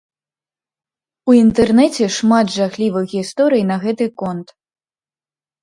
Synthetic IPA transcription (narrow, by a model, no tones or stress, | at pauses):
uint̪ɛrnɛt͡sʲɛʂmad̪ʐaxlʲivɨɣɣʲist̪ɔɾɨjnɐɣɛt̪ɨkɔnt̪